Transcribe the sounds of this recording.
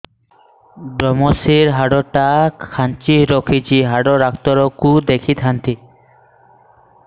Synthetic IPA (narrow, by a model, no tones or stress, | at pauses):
bɾɔmɔsiɾɦaɖɔʈakʰant͡ʃiɾɔkʰit͡ɕiɦaɖɔɾakʰt̪ɔɾɔkud̪ekʰit̪ɦant̪i